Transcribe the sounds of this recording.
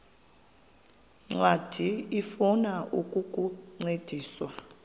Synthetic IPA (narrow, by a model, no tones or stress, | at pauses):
ŋ͡ǀwad̥ʱiifunaʔukʼukʼuŋ͡ǀed̥ʱiːswa